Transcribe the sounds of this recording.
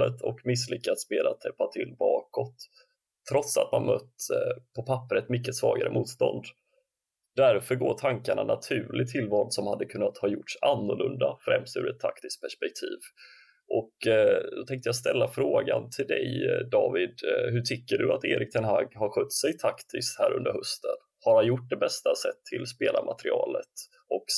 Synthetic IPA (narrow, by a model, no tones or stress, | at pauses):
ət̪ʰɔkmɪsːlʏkːat̪smeːd̪at̪ʰːɛpːat̪ʰɪlːbɑːkɔt̪ʰː | ɾɔt̪sa̰t̪manmœt̪ːpʰɔpʰapːəɾət̪mʏkːəsvɑːɡaɾəmʔuːt̪st̪ɔ̰nd̪ | d̪æɾfœɾɡoːʈʰaŋkaɳanat̪ʰʉ̟ːɭɪt̪ʰɪlːvɑːd̪sɔmhad̪ːəkʰɵnːat̪hɑːjʊʈsanːʊɭɵnd̪afɾɛmst̪ʉ̟ːɾɛt̪ʰːakt̪ɪst̪̚pʰæʂpɛk̚t̪ʰiːv | ʔɔkd̪ɔt̪ʰɛŋkt̪əjaːɡst̪ɛlːafɾoːɡant̪ʰɪld̪ɛjd̪ɑːvɪd̪ɦɵʈʰʏkːəɖɵat̪eːɾʔɪk̚t̪ʰɛnɦaɡhaɾɧœt̪ːsɛjt̪ʰakt̪ʰɪst̪hæːɾɵ̰nd̪əɾhɵst̪ən | haɾhanjʊʈ̚ːd̪ɛbɛst̪asɛt̪ʰːɪlspeːlaɾmʔat̪ɾɪɑːlət̪ | ɔk